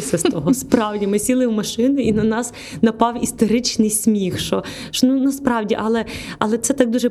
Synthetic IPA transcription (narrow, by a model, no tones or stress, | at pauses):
sʲɐst̪ɔɦɔspɾɑwdʲimɪsʲilˠɪwmɐʃɪnʊinɐnɑs | nɐpɑwist̪eɾɪt͡ʃnɪjsʲmʲixʃɔ | ʃɔnunɐspɾɑwdʲiʔɐlˠɛɐlˠɛt̪sɛt̪ɑk̚d̪uʒɛ